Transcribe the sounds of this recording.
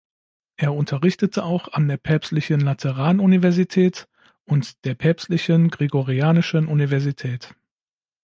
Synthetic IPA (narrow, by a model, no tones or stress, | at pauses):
ʔeːɐʊntʰɐʁɪçtətʰəaʊxandeːɐpʰɛɐpstlɪçənlatʰɛʁ̞aːnunivɛɐzitʰɛːt | ʔʊntd̥eːɐpʰɛɐpstlɪçənɡʁeɡoʁiaːnɪʃənʔunivɛɐzitʰɛːt